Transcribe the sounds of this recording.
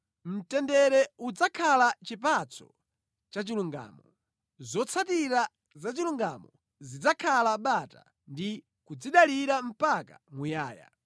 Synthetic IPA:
m̩tɛndɛɾɛud͡zakʰalat͡ʃipat͡sʰɔ̥̰ | t͡ʃat͡ʃiluŋɡa̰ːmɔ | zɔt͡sʰatiɾa | zat͡ʃiluŋɡa̰mɔ | zid͡zakʰalaɓata̰ | ndi | kud͡ziɗaliɾam̩pakamujaːja̰

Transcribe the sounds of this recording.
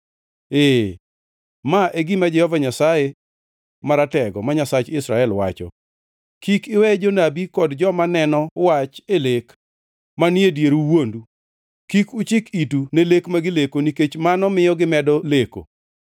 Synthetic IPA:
e | maʔeɡimad͡ʒɛhɔvaɲasaje | maɾatɛɡɔmaɲasat͡ʃɪsɾaɛlwa̰t͡ʃɔ̰ | kikɪwɛd͡ʒonabikɔdd͡ʒɔmanɛnɔwat͡ʃelek | manjedjeɾuwondu | kikut͡ʃɪkitunelekmaɡɪlekoniket͡ʃmanɔmɪjɔɡɪmɛdɔleko̰

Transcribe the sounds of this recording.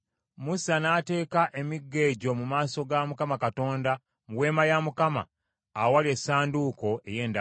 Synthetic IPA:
musanaːte̞ːkaʔe̞miɡːe̞ːɟo̞mumaːso̞ɡamukamakato̞ːnda | muwe̞ːmajamukama̰ | awalie̞sːaːnduko̞ʔe̞je̞ːnda

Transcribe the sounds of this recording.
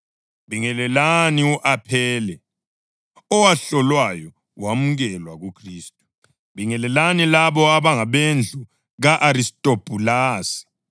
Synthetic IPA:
βiŋɛlɛlaniuʔapʰɛːlɛ | ɔwaɬɔlwajɔ | wamuɣɛlwaɣukʰriːstʼu̥ | βiŋɛlɛlanilaβɔaβaŋaβend͡ɮʱu | ɣaʔaɾistʼopʼulaːsi̥

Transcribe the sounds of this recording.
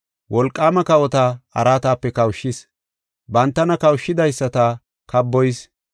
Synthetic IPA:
wʔɔlkʼːaːmɐkɐwɔt̪aɐ̰ɾaːt̪aːpːɛkɐwʃːɪs | bɐnt̪ːɐnɐkɐwʃːɪd̪ɐjsːɐt̪a | kɐbːɔjs

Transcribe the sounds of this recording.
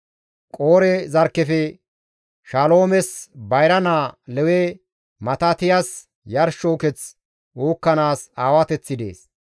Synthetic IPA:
kʼo̞ːɾɛzɐɾkːɛfɛ | ʃalo̞ːmɛsbɐjɾɐnaːlɛwɛ | mɐt̪ɐt̪ɪjɐs | jɐɾʃoːkɛt͡s | oːkːɐnaːsaːwɐt̪ɛt͡sːɪd̪ḛːs

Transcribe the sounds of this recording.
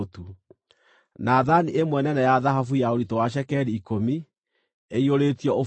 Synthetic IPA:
tu | naðaniʔemwɛnɛnɛjaðaɦafujaoɾitowaʃ̬ɛkɛɾiːkomi | eioɾetiɔo

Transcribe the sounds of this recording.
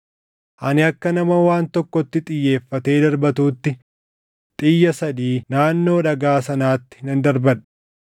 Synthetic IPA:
ʔɐnɪɐkːɐnɐmɐwaːnt̪ɔkːɔt̪ːɪt̪ʼɪjːe̞ːfːɐt̪e̞ːd̪ɐɾbɐt̪uːt̪ːɪ | t̪ʼɪjːɐsɐd̪iːnaːnːo̞ːᶑɐɡaːsɐnaːt̪ːɪ̥hɪnɐnd̪ɐɾbɐn

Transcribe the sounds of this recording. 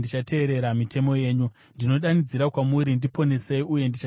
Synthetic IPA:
ndit͡ʃate̞ːɾe̞ɾamitʰe̞mo̞je̞ːɲu | ndino̞ɗanid͡ziɾakwamuɾindipo̞ne̞seiuje̞ndit͡ʃa

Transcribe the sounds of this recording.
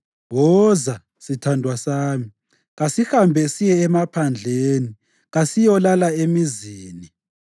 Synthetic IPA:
wɔza | sitʰandʱwasaːmi | ɣasihambʱɛsijɛːmapʰand͡ɮʱeːni | ɣasijɔlalaemiziːni

